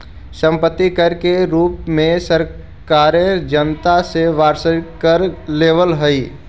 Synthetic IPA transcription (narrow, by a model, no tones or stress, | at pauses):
sə̃mpət̪ːikəɾkeɾuːpmẽsəɾ | kaːɾẽd͡ʒənt̪aseʋaːɾsəkəɾleːʋəlɦəi